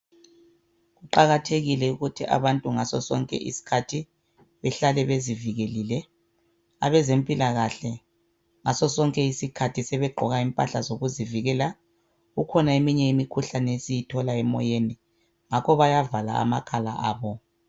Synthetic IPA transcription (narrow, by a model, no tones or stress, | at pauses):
ɣuǃaɣatʰeɣilɛuɣutʰiʔa̰βantʼuŋasɔsɔ̰ŋkʼɛ̰ʔḭsi̥kʰatʰi | βɛɬalɛβeziviɣelilɛ | a̰βɛzempʼilaɣaɬɛ | ŋasɔsɔŋkʼɛisikʰatʰisɛβɛɡ͡ǃʱɔɣaimpʼa̰ɬazoɣuziviɣɛla | ɣukʰɔnaemiɲɛimikʰuɬanɛesijitʰɔlaɛmɔ̰jeni | ŋakʰɔβajavala̰a̰makʰʼala̰aːβɔ